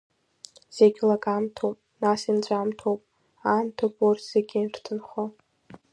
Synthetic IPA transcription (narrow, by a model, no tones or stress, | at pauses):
z̥eɡʲlakʼamtʰowpʼnasint͡ɕʷʼamtʰowpʼ | amtʰowpʼortʰz̥eɡʲinrtʰɨnχo